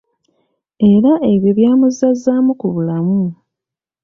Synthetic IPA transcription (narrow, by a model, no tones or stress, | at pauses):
e̞ɾaʔe̞βjo̞βjaːmuzazːaːmukuβulamu